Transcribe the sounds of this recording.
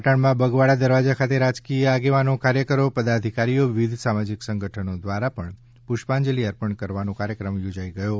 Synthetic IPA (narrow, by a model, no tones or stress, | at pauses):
ʈəɳmãbəɡʋaɭad̪əɾʋad͡ʒakʰat̪eɾad͡ʒkijəaɡeʋanokaɾjəkəɾopəd̪ad̪ʱikaɾijoʋid̪ʱsamad͡ʒiksəŋɡʱəʈʰənod̪ʋaɾapəɳ | pʊʃpãnd͡ʒəliəɾpəɳkəɾʋanõkaɾjəkɾəmjod͡ʒaiɡəjo